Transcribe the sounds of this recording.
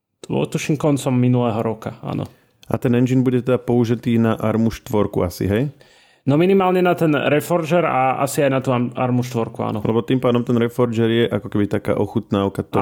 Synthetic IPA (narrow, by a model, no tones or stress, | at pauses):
ʋɔ̰t̪uʃimkɔnt͡sɔmːinulɛːɦɔɾɔka̰a̰ːnɔ̰ | a̰t̪ɛnɛnd͡ʒiːnbuɟɛt̪ɛd̪apɔuʒit̪iːnaʔaɾmuʃt̪ʋɔɾkṵasḭɦɛj | nɔminimaːlɲɛnat̪ɛnɾɛfɔɾd͡ʒɛɾa̰a̰siajnat̪uːaa̰ɾmuʃt̪ʋɔɾkua̰ːnɔlɛbɔt̪impaːd̪ɔmt̪ɛnɾɛfɔɾd͡ʒɛɾjɛʔakɔkɛbit̪aka̰ːʔɔxut̪naːʊkat̪ɔ